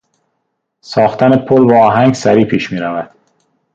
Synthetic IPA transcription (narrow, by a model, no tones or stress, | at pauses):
sɒːxt̪ʰænepʰolbeɒːɦæŋɡsæɾiːpʰiːʃmiːɾævæd̪̥